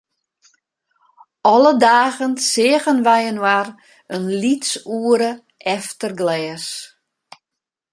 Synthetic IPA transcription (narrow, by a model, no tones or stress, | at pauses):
ɔlədaːɣənsɪːəɣənʋɛjənwar | ənlitsuəɾə | ʔɛftərɡlɛːs